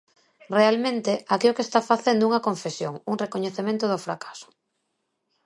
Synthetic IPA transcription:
realmẽnt̪eakeokest̪afaθend̪ʊuŋɐkoɱfesjo̰ŋuŋrekoɲeθemẽnt̪ʊðʊfɾa̰kḁsʊ̥

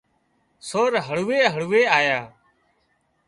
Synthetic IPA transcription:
soːɾɦəɭuːeːɦəɭuːeːaːjaː

